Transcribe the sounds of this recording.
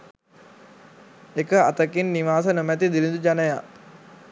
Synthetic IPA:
ekəat̪əkinːiʋaːsənomæt̪id̪ilind̪ud͡ʒanəja̰

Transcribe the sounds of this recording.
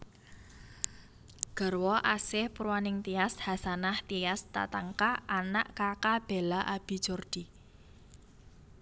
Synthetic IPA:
ɡ̥ə̤rwɔʔasɪhpuɾwanɪŋt̪ijashasanaht̪iast̪a̰t̪aŋkaʔanaʔkakab̥e̤laʔab̥i̤̥d͡ʒ̥ɔrd̪̥i

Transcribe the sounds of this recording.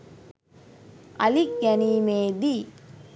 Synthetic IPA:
ɐlikjɐnimeːd̪i

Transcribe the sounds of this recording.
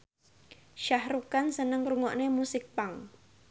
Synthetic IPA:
ʃahɾukansənəŋruŋɔʔnemusɪk̚paŋ

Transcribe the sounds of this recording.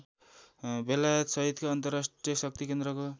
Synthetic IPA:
belajʌt̪sʌɦit̪koʌnt̪ʌrasʈrijʌsʌk̚t̪ikend̪ɾʌko

